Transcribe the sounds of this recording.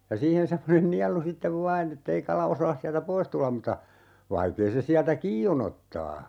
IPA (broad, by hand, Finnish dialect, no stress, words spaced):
jɑ siːhen semːonen niɑlu sitːeʋ ʋɑːn etːei kɑlɑ osɑːs siæltæ pois tulːɑm mutɑ ʋɑikeː se siæltæ kiː on otːɑː